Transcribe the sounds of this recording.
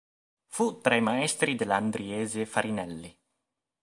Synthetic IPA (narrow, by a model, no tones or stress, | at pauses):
fut̪ɾajmaɛst̪ɾid̪eland̪ɾiɛːzefaɾʔinɛlːi